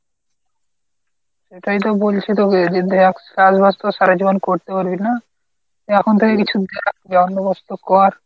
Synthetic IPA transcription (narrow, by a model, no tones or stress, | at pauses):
ʃeʈʰajt̪obolt͡ɕʰit̪oked͡ʑid̪ʱeakkad͡ʑbʱast̪oʃaɾad͡ʑibonkoɾt̪epoɾbina | ɛkʰont̪ʰekekit͡ɕʰud̪eak̚beɔnːobɔst̪okɔɾ